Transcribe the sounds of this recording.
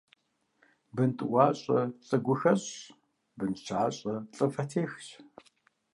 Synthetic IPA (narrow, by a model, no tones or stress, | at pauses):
bɨntʼwaːɕʼɐ̰t͡sʼɐɡʷʊxɐɕ | bɨnt͡ʃʰaːɕʼɐt͡sʼɨfɐtʰeːxɕ